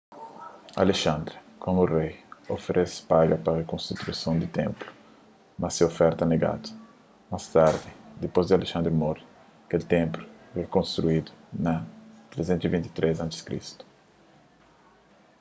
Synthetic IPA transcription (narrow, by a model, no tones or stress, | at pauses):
a̰leʃãnd̪ɾɪkʰõmuurejofeɾʔespaɡɐpɾɐrekõst̪it̪ɾusɐ̃w̃d̪ɪt̪ẽmplu̥ | mɐsɪofɛɾt̪ɐneɡa̰t̪u̥ | mast̪aɾd̪ɪd̪epozd̪ɪaleʃãnd̪ɾimɔɾi | kelt̪ẽmplʊvekõnst̪ɾuid̪ʊ̥nɐt̪ɾezẽnt̪uzivĩnt̪i̥t̪ɾez̬ãnt̪ɪskɾḭst̪u̥